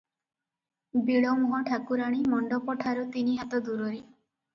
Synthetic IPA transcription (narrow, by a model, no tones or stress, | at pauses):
biɭɔwmɔɦɔʈʰakuɾaɽ̃imɔɳɖɔpɔʈʰaɾut̪iniɦat̪ɔd̪uɾɔɾi